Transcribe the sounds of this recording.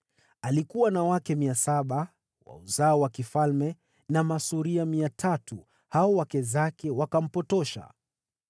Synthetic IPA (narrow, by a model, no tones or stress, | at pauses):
alikuwanawakɛmiasaɓa | wa̰uzaɔwakifalmɛ | namasuɾiamiatʰatu | haɔwakɛzakɛwakam̩pɔtɔʃa̰